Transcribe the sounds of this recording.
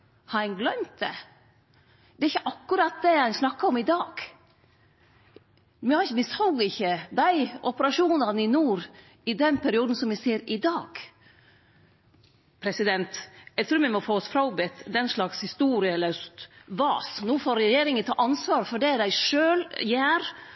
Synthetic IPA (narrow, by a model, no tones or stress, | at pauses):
hɑɪnɡlœmt̪̚d̪ɛ̰ | d̪ɛɾɪçːəʔɑkːʉɾɑt̪̚d̪ɛhæɪsnɑkːəɔmɪd̪ɑːɡ̥ | mɪhɑɾɪçəmɪshɔlɡɪçːəd̪æɪʔɔpəɾɑʂuːnɑnəɪnuːɾ | ɪd̪ɛnpʰæɾɪuːd̪n̩sɔmʋɪseːɾɪd̪ɑːɡ̥ | pʰɾɛsɪd̪ɛnt̪jɛɪt̪ʰɾʉːɾmɛmɔfoːɔsfɾɑbɛt̪d̪ɛnʂlɑkshɪst̪uːɾɪəɛlːəɾsʋɑːsnuːfoːɾɛjeːɾɪŋənt̪ʰɑ̰ːʔɑnsʋɑːɾfɔɖɛæɖæɪʂøːljæːɾ